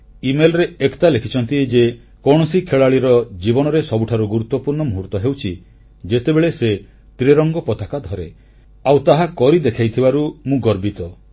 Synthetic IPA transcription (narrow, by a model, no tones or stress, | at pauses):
imelɔɾeekt̪alekʰit͡ʃʰɔnt̪id͡ʒe | kɔɽ̃ɔsikʰeɭaɭiɾɔd͡ʒibɔnɔɾesɔbuʈʰaɾuɡuɾut̪ːɔpuɾɳɔmuɦuɾt̪ɔɦewt͡ʃʰi | d͡ʒet̪ebeɭese | t̪ɾeɾɔŋɡɔpɔt̪akad̪ʱɔɾe | awt̪aɦakɔɾid̪ekʰajt̪ʰibaɾumũɡɔɾbit̪ɔ